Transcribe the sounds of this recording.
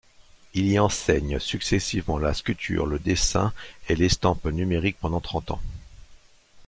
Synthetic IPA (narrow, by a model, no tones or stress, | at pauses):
iliɑ̃sɛɲsyksɛsivmɑ̃laskʲylt̪ʰy̰ʁləd̪esɛ̰̃elest̪ɑ̃pnymeʁik̚pɑ̃d̪ɑ̃t̪χɑ̃t̪ɑ̰̃